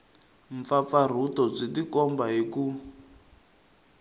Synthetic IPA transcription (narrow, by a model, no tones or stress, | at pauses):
ɱfafar̤utɔb͡ʐidikɔmbaɦiku